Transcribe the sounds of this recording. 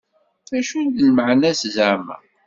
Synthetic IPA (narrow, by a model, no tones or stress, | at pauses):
θæʃund̪əlməʕnæszəɾmæ̰